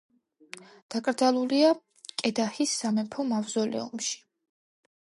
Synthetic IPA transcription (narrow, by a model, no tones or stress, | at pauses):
d̪̥akʼɾd̪zalˠulia | kʼɛd̪ahisːamɛpʰɔmavzɔlɛ̰umʃi̥